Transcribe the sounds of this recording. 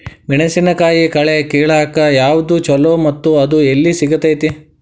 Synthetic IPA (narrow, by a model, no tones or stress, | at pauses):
ʋiɳɐsinɐkaːjikɐɭekeːɭaːkɐjaːʋd̪ut͡ʃɔlomɐt̪ːuɐd̪uelːisiɡɐt̪ɐjt̪i